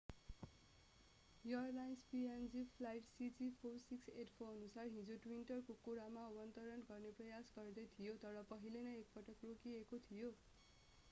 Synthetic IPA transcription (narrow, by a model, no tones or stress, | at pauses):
ʌrlajnspiend͡zipʰlajʈsid͡zipʰorsikseʈpʰoʌnusarɦĩd͡zoʈwinʈʌrkokuɾamaʌbʌnt̪ʌɾʌnɡʌrneprʌjasɡʌrd̪ʌjt̪ʰijot̪ʌɾʌpʌɦilenʌek̚pʌʈʌkrokiekot̪ʰijo